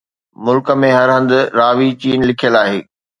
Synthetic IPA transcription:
mʊlkə̆mẽɦɐɾɦɐ̃nd̪ʊ̆ɾaːʋit͡ɕiːnlɪkʰijəlaːɦeː

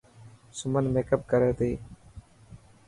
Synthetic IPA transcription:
sʊmənmeːkəp̚kəɾeːt̪iː

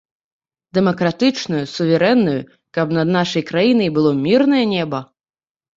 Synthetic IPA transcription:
d̪ɛmɐkɾat̪ɨt͡ʂnujusuvʲɛɾɛnːujṵ | kɐpnɐd̪naʂɐjkɾajinɐjbɨlˠɔmʲirnɐjɐnʲɛbɐ

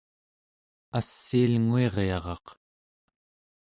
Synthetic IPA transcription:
asːialŋue̞ʁjɑʁɑ̰q

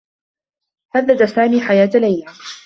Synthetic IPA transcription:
haðːad̪asaːmiːħajaːt̪lajla

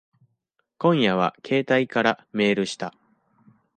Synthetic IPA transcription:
kõ̞ɰ̃jaβ̞a̰kʰe̞ːt̪aikaɾame̞ːɾɯ̟ɕi̥t̪a

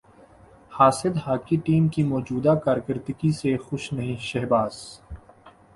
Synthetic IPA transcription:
haːsɪd̪haːkiʈiːmkimɔːd͡ʒuːd̪akaːɾkəɾd̪ɪɡisexʊʃnɐɦĩʃɛɦbaːz

